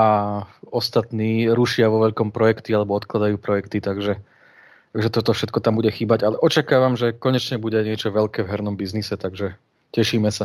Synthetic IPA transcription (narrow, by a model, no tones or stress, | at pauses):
aɔst̪at̪niːɾuʃɪaʋɔʋɛʎkɔmpɾɔjɛkt̪ialɛbɔɔt̪klad̪ajuːpɾɔjɛkt̪it̪aɡʒɛ | t̪aɡʒɛt̪ɔt̪ɔfʃɛt̪̚kɔt̪ambuɟɛxiːbaɟalɛʔɔt͡ʃakaːʋamʒɛkɔɲɛt͡ʃɲɛbuɟɛaɲɪɛt͡ʃɔʋɛʎkɛːʋɦɛɾnɔmbiznisɛt̪aɡʒɛ | cɛʃiːmɛsa